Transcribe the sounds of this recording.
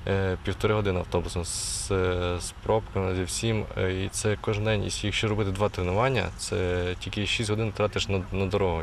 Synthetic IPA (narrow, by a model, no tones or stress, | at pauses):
pʲiwt̪ɔɾɪɦɔd̪ɪnɪɐ̰wt̪ɔbʊsɔms | spɾɔpkɐmzʲiwsʲimit̪sɛkɔʒnd̪ɛnʲḭsʲjɐkʃt͡ʃɔɾɔbɪt̪ɪd̪ʋɑt̪ɾɪnʊʋɑnʲːɐ̰t̪sɛtʲilʲkɪʃisʲtʲɦɔd̪ɪnt̪ɾɑt̪ɪʃnɐnɐd̪ɔɾɔɦɔ